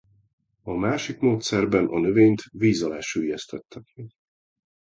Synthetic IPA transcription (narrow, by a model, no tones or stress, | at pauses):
ɒmaːʃikmoːt̪sɛrbɛnʔɒnøveːɲt̪viːzɒlaːʃyːjɛst̪ɛt̪ːɛkmɛɡ